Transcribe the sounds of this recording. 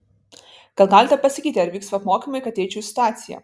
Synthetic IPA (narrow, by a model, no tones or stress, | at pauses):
ɡ̥ɐlˠɡɑːlʲɪt̪ʲɛpɐsʲɪkʲiːt̪ʲɪɐɾʋʲiːksʋɐpmoːkʲimɐɪkɐt̪ʲɛɪt͡ʃʲɛʊsʲɪt̪ʊaːt̪sʲɪjɛ̰